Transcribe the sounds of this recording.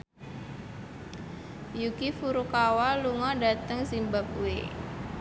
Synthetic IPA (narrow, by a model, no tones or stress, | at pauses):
jukifuɾukawaluŋɔdat̪əŋzimbap̚wḛ